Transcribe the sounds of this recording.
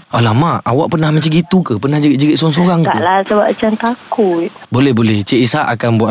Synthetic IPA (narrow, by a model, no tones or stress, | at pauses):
ʔalamaʔawaʔpərnahmat͡ʃaɡit̪ukəpənahd͡ʒəɾiʔ̚d͡ʒəɡiʔsoaŋs̬oɾaŋka̰ʔlasəbap̚at͡ʃant̪akut̪̚bolɛhbolɛht͡ʃeʔisaʔakanbuaʔ